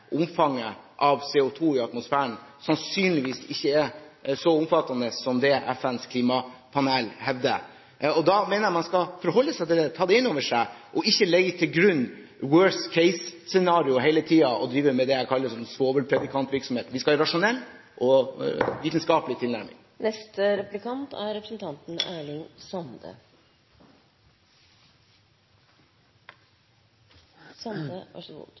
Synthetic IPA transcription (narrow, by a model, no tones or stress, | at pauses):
ʔʊmfɑŋːəʔɑʋseːʊt̪ʰuːɪɑt̪mʊsfæːəɳsɑnsyːnlɪʋiːsɪçːəɛsɔʊmfɑt̪ːɑnəsɔmd̪ɛʔɛfænskʰliːmɑpʰɑneːlhɛʋd̪ə̰ | ɔd̪ɑmɛːnəɾjæmɑnskɑfɔɾhɔlːəsæɪt̪ʰɪld̪ɛt̪ʰɑːd̪ɛɪnːoːʋəʂæɪʔɔɪçːəlɛɡːət̪ʰɪlɡɾʉnː | wøːɹst̪kʰɛɪssɛnɑːɾɪʊɦɛɪlət̪ʰiːɑʔɔd̪ɾiːʋəmɛd̪ɛækʰɑlːəsɔnːsʋoːbəɾpʰɾɛd̪ɪkʰɑnt̪ʋɪɾksɔmheːt̪ʋɪskɑɑɾɑʂʊnɛlːʔɔ | ʋiːt̪ənskɑːpəlɪt̪ʰɪlnæɾmɪ̰ŋ | nɛst̪əɾɛplɪkʰɑnt̪æ̰ɾɛpɾəsn̩t̪ʰɑnt̪n̩æːɭɪŋsɑnd̪ə̰ | sɑnd̪əɑ̰ʂʊ̰